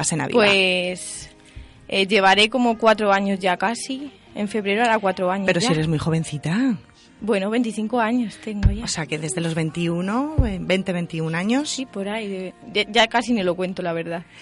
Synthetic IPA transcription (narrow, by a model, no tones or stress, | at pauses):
asena̰βḭpwes | eʝe̞β̞aɾe̞ko̞mo̞kwat̪ɾoaɲo̞zʝakasi | ḛɱfe̞β̞ɾe̞ɾoaɾakwat̪ɾoaɲoeɾoieɾezmujxo̞βẽ̞n̟θit̪a | bwe̞noβe̞nt̪iθiŋkoaɲo̞st̪e̞ŋɡoʝaoseakeðe̞zðe̞lozβe̞nt̪iunoebe̞nt̪eβe̞nt̪iunaɲosipo̞ɾajðeaʝakasinilo̞kwe̞nt̪olaβ̞e̞ɾð̞a